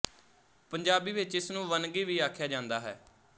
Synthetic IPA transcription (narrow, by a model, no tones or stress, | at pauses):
pəɲd͡ʒaːbiːʋɪt͡ʃɪsnũːʋənɡiːʋiːaːkʰjaːd͡ʒãːnd̪aːɦɛ̰ː